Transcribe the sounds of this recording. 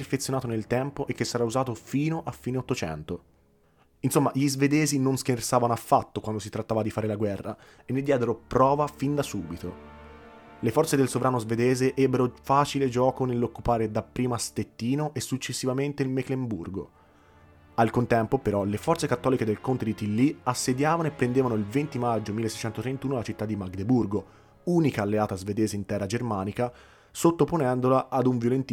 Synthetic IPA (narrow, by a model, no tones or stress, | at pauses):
rfet̪sjonaːt̪onelt̪ɛmpoʔekːesːaɾauzaːt̪ofiːnoʔafːiːneot̪ːot͡ʃɛ̰nt̪o | insomːaʎizved̪ɛːzinonsk̟ersaːvanoafːat̪ːokwand̪osit̪ɾat̪ːaːvad̪ifaːɾelaɡwɛrːa̰ | enːed̪jɛːd̪eɾopɾɔːvafind̪asuːbit̪o | lefɔrt̪sed̪elsovɾʔaːnozved̪ɛːzeʔɛbːeɾofaːt͡ʃiled͡ʒɔːkonelːokːupaːɾed̪apːɾiːmast̪et̪ːiːnoʔesːut͡ʃːesːivament̪eilmeklemburɡo̰ | alkont̪ɛmpopeɾɔlefɔrt̪sekat̪ːɔːliked̪elkont̪ed̪it̪ilːiasːed̪jaːvanoepːɾend̪eːvanoilvent̪imad͡ʒːomilːesːɛjt͡ʃɛnt̪ot̪ɾent̪uːnolat͡ʃit̪ːad̪imaɡd̪eburɡo | uːnikaːlːeaːt̪azved̪eːzeint̪ɛrːad͡ʒermaːnika | sot̪ːoponɛnd̪olaʔːd̪uɱvjolent̪i